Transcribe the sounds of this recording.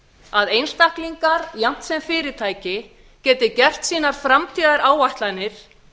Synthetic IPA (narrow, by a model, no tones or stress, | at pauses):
aðejnst̪ahkliŋkaɾjan̥t̪sɛmfɪːɾɪt̪ʰaːjcɪ | cɛːt̪ɪcɛr̥t̪siːnaɾ̥fɾamt̪ʰiːðaɾaːwvajht̪lanːɪɾ̥